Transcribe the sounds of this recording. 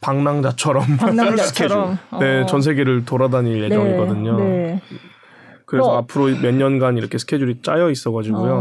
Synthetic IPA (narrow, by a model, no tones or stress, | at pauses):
paŋnaŋd͡ʑat͡ɕʰʌɾʌmst͡ɕkʰene̞t͡ɕʌnsʰe̞ɡe̞ɾɯɭtoɾadaɲinje̞d͡ʑʌŋiɡʌdɯɲo | kɯɾesʰʌapʰɯɾomjʌɲːʌnɡaniɾʌkʰesʰɯ̥kʰe̞d͡ʑuɾit͡ɕ͈ajʌis͈ʌɡad͡ʑiɡujo